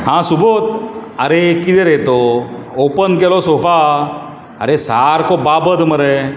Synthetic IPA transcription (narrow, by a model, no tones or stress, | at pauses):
ɦãsubot̪̚əɾekit̪ɛɾet̪oopənkɛlɔsofa | ə̰ɾesaɾkɔbabəd̪məɾe